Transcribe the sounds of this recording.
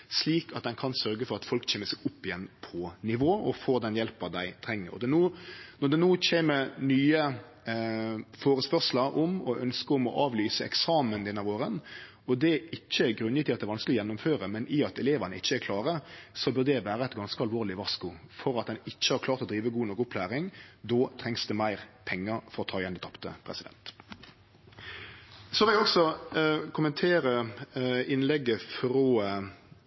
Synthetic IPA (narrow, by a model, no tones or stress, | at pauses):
sliːkɑt̪̚d̪ɛnkʰɑnsœɾɡəfɔɾɑt̪fɔlkt͡ʃʰeːməsɛɡʊpːɪjɛnːpʰɔnɪʋoːʔɔfoːd̪ɛnjɛlpəd̪æɪt̪ʰɾɛŋːə̰ɾɔ̰d̪ɛnoːnɔʁd̪ɛnuːt͡ɕʰeːmənyːə | foːɾəspœɾʂləɾʔɔmɔʔœnskəʊmɔʔɑːʋlyːsəɛ̰ksɑːmənd̪ɛnːɑʋoːɾən | ɔd̪ɛʔɪçːəɛɡɾʉnəɪt̪ɪɑt̪d̪ɛɾʋɑnsklɪjɔjɛnːʊmføːɾəmɛnʔɪɑt̪ɛleːʋənəɪt͡ʃːəɛɾkʰlɑːɾəsɔbʉɾd̪ɛʋæːɾəɛɪt̪ɡɑnskəɑlʋoːʁlɪʋɑskʊfɔɾɑt̪̚d̪ɛnɪt͡ʃːəhɑɾkʰlɑːɾt̪ɔd̪ɾiːʋəɡuːnɔkːʊpʰlæːʁɪŋd̪oːt̪ʰʁɛŋsd̪ɛmæɪʁpʰɛŋːəɾfɔɾɔt̪ʰɑːjɛnd̪ɛt̪ʰɑpt̪ə̰pʰɾɛ̰sɪd̪ɛ̰nt̪ | sɔʋɪlæɔksɔkʰʊmənt̪ʰeːɾə | ɪnlɛɡːəfɾoː